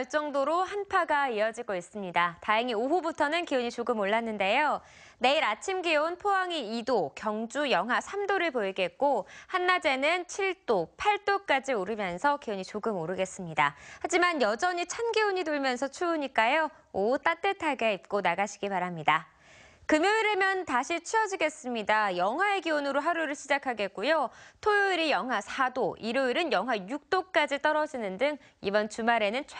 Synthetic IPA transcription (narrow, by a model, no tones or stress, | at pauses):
ʌɭt͡ɕ͈ʌŋdoɾohanpʰaɡaijʌd͡ʑiɡois͈ɯmɲidataɦeŋioɦubutʰʌnɯnkiuɲit͡ɕoɡɯmoɭːanːɯnde̞jo | ne̞iɾat͡ɕʰimɡionpʰoɦaŋiidokjʌŋd͡ʑujʌŋɦasʰamdoɾɯɭpoiɡe̞t̚k͈ohanːad͡ʑe̞nɯnt͡ɕʰiɭt͈opʰaɭt͈ok͈ad͡ʑioɾɯmjʌnsʰʌkioɲit͡ɕoɡɯmoɾɯɡe̞s͈ɯmɲidahad͡ʑimanjʌd͡ʑʌɲit͡ɕʰanɡioɲidoɭmjʌnsʰʌt͡ɕʰuːɲik͈ajo | out͈at͈e̞tʰaɡeip̚k͈onaɡaɕʰiɡipaɾamɲida | kɯmjoiɾemjʌntaɕʰit͡ɕʰiʌd͡ʑiɡe̞s͈ɯmɲidajʌŋɦwae̞ɡionɯɾoɦaɾuiɾɯɭɕʰid͡ʑakʰaɡe̞t̚k͈ujotʰojoiɾijʌŋɦwasʰadoʔiɾoiɾɯnjʌŋɦwajuk̚t͈ok͈ad͡ʑit͈ʌɾʌd͡ʑinɯndɯŋ | ibʌnt͡ɕumaɾe̞nɯnt͡ɕʰ